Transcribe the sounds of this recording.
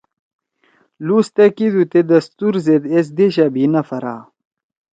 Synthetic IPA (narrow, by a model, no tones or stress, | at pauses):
lust̪ɐkid̪ut̪ed̪ɐst̪uɾzed̪es̬d̪eɕabinɐfɐɾa̰ː